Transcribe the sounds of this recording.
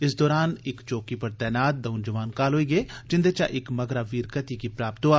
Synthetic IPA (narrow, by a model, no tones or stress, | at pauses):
ɪsd̪ɔːɾaːnɪkt͡ʃoːkiːpəɾt̪ɛːnaːt̪̚d̪əʊnd͡ʒəʋaːnkaːlɦoːiːɡeːd͡ʒɪ̃nd̪eːt͡ʃa̰ːʔɪkməɡɾaːʋiːɾkət̪iːkiːpɾaːpt̪oːaː